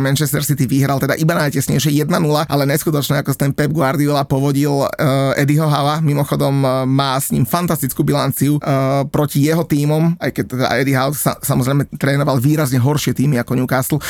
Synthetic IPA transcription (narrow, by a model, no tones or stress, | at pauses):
mɛnt͡ʃɛst̪ɛɾsit̪iʋiɦɾalt̪ɛd̪a̰ʔibanajcɛsɲɛjʃ̬ɪɛjɛd̪̚nanulaʔalɛɲɛskut̪ɔt͡ʃɲɛakɔst̪ɛnpɛb̚ɡwaɾd̪iɔlapɔʋɔɟilɛd̪iɦɔɦaʊamimɔxɔd̪ɔmːaːsɲḭmfant̪ast̪it͡skuːbilant͡siupɾɔcijɛɦɔt̪iːmɔma̰jkɛc̚t̪ːɛd̪a̰ɛd̪iɦaʊssasamɔzɾɛɪmɛt̪ɾɛːnɔʋalʋiːɾazɲɛɦɔɾʃɪɛt̪iːmiakɔɲukasl̩ˠ